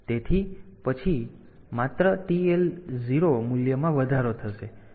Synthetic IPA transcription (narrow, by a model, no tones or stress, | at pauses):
t̪et̪ʰipət͡ʃʰi | mat̪ɾəʈielziɾomuljəmãʋəd̪ʱaɾot̪ʰəʃe